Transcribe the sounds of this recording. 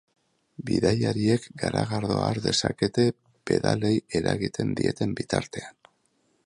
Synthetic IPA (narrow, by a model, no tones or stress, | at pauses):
biðajaɾie̞kɡaɾaɣaɾðo̞aɾd̪e̞sake̞t̪e̞ | b̥e̞ðale̞je̞ɾaɣit̪e̞nd̪iet̪e̞mbit̪aɾt̪e̞an